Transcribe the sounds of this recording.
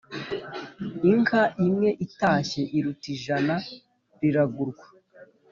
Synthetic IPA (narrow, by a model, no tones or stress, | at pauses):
iŋkaʔimŋe̞ʔitaːçe̞ʔiɾutiʒana | ɾiɾaɡuɾɡwḁ